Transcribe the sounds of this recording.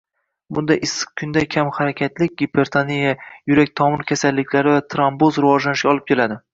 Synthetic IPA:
bʊnd̪aʔɪsɨ̥q̚kʰʊnd̪ajkʲʰamhaɾakʲʰat̪lɪk̚ʲɡʲepʰeɾt̪ʰanijajʊɾakʲt̪ʰɒmɪɾkʲʰasalːɪkʲʰlaɾɪvat̪ʰɾambozɾɪvɒʒlanɪʃɡʲaɒlˠɪp̚kʲʰe̞lad̪ɪ

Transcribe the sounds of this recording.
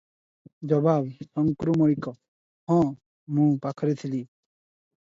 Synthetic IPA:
d͡ʑɔbabsɔŋkɾumoɾikɔ | hɔ̃ | mũpakʰɔɾet̪ʰili

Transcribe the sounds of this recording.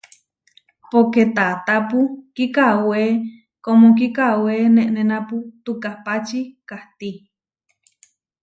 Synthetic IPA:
poket̪at̪apukikawe | komõk̬ikawenẽʔnẽnãput̪ukahpat͡ʃikaht̪i

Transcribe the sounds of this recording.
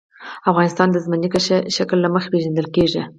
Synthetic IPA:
afɣɑnɪst̪ɑnd̪əzmənikaʃʃaklːaməxḁpeʒand̪əlkeʐi

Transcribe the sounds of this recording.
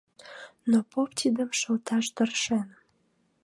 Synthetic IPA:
nopopt̪ʰʲid̪əmʃə̆lt̪ɑʃt̪ərʃen

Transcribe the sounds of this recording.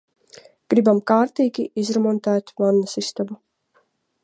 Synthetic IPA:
ɡ̥ɾibamkaːɾt̪iːɡʲiizɾɔmɔnt̪æːt̪vanːasist̪abu

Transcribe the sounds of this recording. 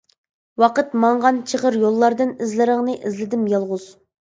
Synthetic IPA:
wɑqət̪mɑɴʁɑnt͡ʃʰəʁəɾjolˠːɑɾd̪ɨnɪzlɪɾəŋnɨʔɪzlɪd̪ɪmjɑlˠʁʊz̥

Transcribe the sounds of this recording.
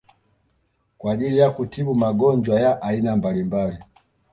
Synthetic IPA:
kwaːʄilijakutiɓumaɡɔnd͡ʒwajaʔainambalimbali

